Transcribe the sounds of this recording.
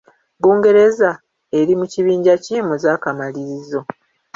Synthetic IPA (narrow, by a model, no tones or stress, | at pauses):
buːŋɡe̞ɾe̞za | e̞ɾimuciβiːɲɟaciːmuzaːkamaliɾizo̞